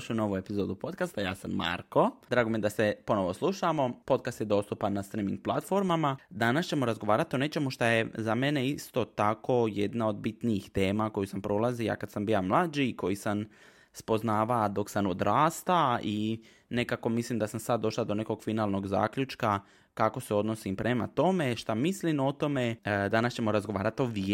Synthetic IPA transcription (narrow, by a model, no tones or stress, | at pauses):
ʃuuno̞ʋue̞pizo̞ːd̪upo̞t̪̚kast̪ajaːsamːa̰ɾko̞d̪ɾaːɡomijed̪ase̞po̞no̞ʋo̞slˠuʃamo̞po̞d̪kast̪jed̪o̞st̪upanːast̪ɾimḭŋɡ̚plˠat̪fo̞ɾmamad̪anast͡ɕe̞mo̞ɾazɡo̞ʋaːɾat̪ione̞t͡ɕe̞muʃt̪aje̞zame̞ne̞ist̪o̞t̪ako̞je̞d̪nao̞d̪̚bit̪niixt̪e̞ːmako̞jusampɾo̞ːlazija̰kad̪sambilamlˠaːd͡ʒiko̞jisam | spo̞znaːʋad̪o̞ksanod̪ɾaːst̪ai | ne̞kako̞mislimd̪asamsad̪d̪ːo̞ʃlˠad̪o̞ne̞ko̞ɡ̥finaːlno̞ɡza̰ːkʎut͡ʃka | kako̞se̞o̞d̪no̞simpɾʔe̞ma̰t̪o̞me̞ʃt̪amislimo̞t̪o̞me̞d̪anast͡ɕe̞moɾazɡoʋaːɾat̪oʋi